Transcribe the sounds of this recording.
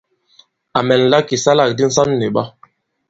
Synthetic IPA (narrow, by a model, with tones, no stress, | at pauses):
a˨mɛ˨n˨la˦ki˨sa˦la˨k̚di˦n̩˦sa˦nːe˨ɓa˦